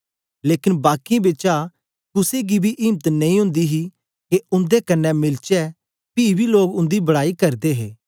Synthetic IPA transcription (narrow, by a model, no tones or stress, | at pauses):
leːkɪnbaːkibeːt͡ʃa | kʊseɡibʱiʔɪːmt̪nɐĩɦʊ̃nd̪iɦi | keʊ̃nd̪ekɐnːɛmɪlt͡ʃɛ | piːbʱiloːɡʊ̃nd̪ibɐɽaːikɐɾd̪eɦḛː